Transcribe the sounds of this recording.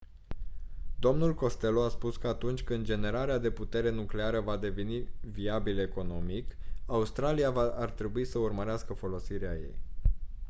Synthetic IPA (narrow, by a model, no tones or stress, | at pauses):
d̪o̞mnulko̞st̪e̞loaspuskəat̪unt͡ʃʲkɨnd̪̚d͡ʒe̞ne̞ɾaɾead̪e̞put̪e̞ɾe̞nukle̞aɾəvad̪e̞veniviabile̞ko̞no̞mikaust̪ɾalijavaart̪ɾe̞buisəurməɾeaskəfo̞lo̞siɾeaje̞̰j